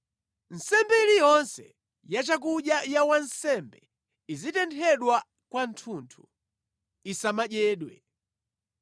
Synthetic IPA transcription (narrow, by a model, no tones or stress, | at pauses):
n̩sɛmbɛilijɔnsɛ̰ | jat͡ʃak̬uɗjajawansɛmbɛ | izitɛntʰɛɗwa | kwantʰuntʰu | isamaʄɛːɗwɛ̰